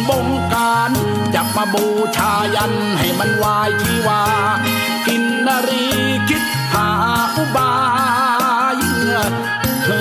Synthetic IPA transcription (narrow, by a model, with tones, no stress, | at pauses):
bo˧ŋkaː˧n | t͡ɕa˨˩p̚maː˧boː˧t͡ɕʰaː˧ja˧n | ha˨˩jma˧nwaː˧jt̪ʰiː˧waː˧ | ki˧nːaː˧ɾiː˧ | kʰi˦˥t̪̚ | pʰaː˨˩˦ | ʔu˧˥baː˧ | j